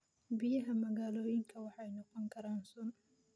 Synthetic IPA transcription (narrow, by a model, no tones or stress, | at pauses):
bɪjɐɦɐmɐɣaːloːjɪŋkʰɐwɑħajnɔqɔŋkʰɐɾaːnsɔn